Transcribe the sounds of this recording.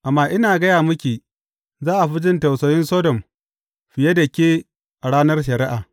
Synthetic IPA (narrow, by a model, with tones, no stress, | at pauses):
ʔa˨mːaː˦ʔɪ˦naː˨ɡɐ˦jaː˨mʊ˦kʲiː˨ | zaː˦ʔa˨ɸɪ˦d͡ʒɪ˦nta˨wsɐː˦jɪ˦nsɔː˦dɔ˨m | ɸɪ˨je˦dɐ˨kʲeː˦ | ʔa˨ɽaː˦nɐ˦rʃɐ˨ɾɪ˦ʔaː˨